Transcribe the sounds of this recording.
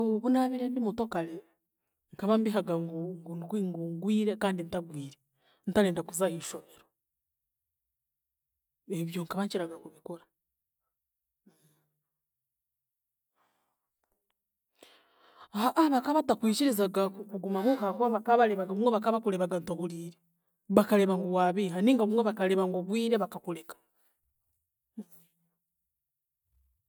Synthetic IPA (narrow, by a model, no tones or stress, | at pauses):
βunaβiɾendimuto̞kale | ŋkaβambiɦaɡaŋɡŋɡkiŋɡuŋɡwiːɾe̞kaːndinitaɡwiːɾe̞ | n̩itaɾeːndakuzahiːʃo̞βe̞ɾo | eβjo̞ŋkaβaɲt͡ʃiɾaɡakuβikoɾa | aʔaβakaβatakwiːciɾizaɡakukuɡumaβukakwaβakaβaleβaɡaumweβakaβakuleβaɡantoβuliːɾe | βakaleβaŋɡowaːβiɦaniːŋɡaβumweβakaleβaŋɡoβwiːɾeβakakulekḁ